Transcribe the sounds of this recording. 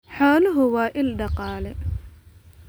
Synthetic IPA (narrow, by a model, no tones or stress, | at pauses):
ħɔːlʊɦʊwɑːʔɪlɖɑqɑːlɛ